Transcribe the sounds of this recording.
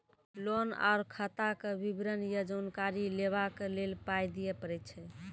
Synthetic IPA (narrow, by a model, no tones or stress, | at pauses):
lona̰ɾkʰət̪akebibɾənjəd͡ʒənkaɾileβakelelpajd̪ijɛpəɾɛt̪t͡ʃʰɛ